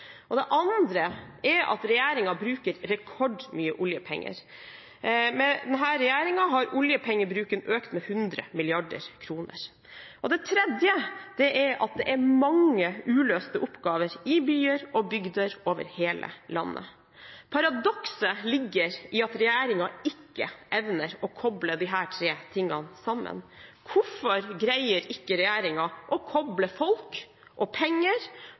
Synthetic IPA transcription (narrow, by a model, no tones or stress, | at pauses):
ɔd̪ɛʔɑnd̪ɾəɛɾɑ̰t̪ɾɛjæːɾɪŋɑbɾʉːkəɾɾɛkʰɔɖmyːəʔʊljəpʰɛ̰ŋːə̰ɾ | mɛd̪ɛnɦæːɾɛjæːɾɪŋɑɦɑɾʊljəpʰɛŋːəbɾʉːkənøːkt̪mɛhʉnd̪ɾə̰mɪlɪɑɖə̰ɾkʰɾuːnə̰ɾ | ʔɔd̪ɛt̪ʰɾɛd̪jəd̪̥ɛʔæɾɑ̰t̪̚d̪ɛʔæɾmɑŋəʉːløːst̪əʔʊpːɡɑːʋəɾɪbyːəɾɔbʏɡd̪əɾoːʋə̰ɾheːlʔə̰lɑ̰nːʔə̰ | pʰɑɾɑd̪ɔksəlɪɡːəɾɪɑt̪ɾɛjæːɾɪŋɑɪkːə̰ʔɛʋnəɾɔkʰɔbləd̪ɪɦæːʈʰɾeːt̪ʰɪŋːɑnsɑmːə̰nkʰʊfɔɾɡɾæɪəɾɪkːəɾɛjæːɾɪŋɑʔɔkʰɔbləfɔlk | ʔɔpʰɛŋːəɾ